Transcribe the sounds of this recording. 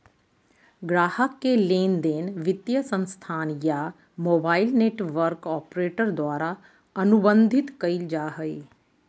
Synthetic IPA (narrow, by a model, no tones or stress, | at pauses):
ɡɾaːhəkːeleːnd̪eːnʋɪt̪jəsə̃nst̪ʰaːnjaː | moːbaːilneːʈʋəɾkɔːpɾeːʈəɾd̪oaːɾa | ənʊbə̃nd̪ʱɪt̪kəid͡ʒaːɦəeː